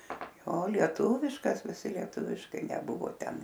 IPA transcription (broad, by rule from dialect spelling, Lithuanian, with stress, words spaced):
ˈjoː lʲiɛˈtuːʋʲɪʃkɐs ʋʲɪˈsʲɪ lʲiɛˈtʊʋʲɪʃkɐɪ nʲɛˈbʊʋoː ˈtʲɛn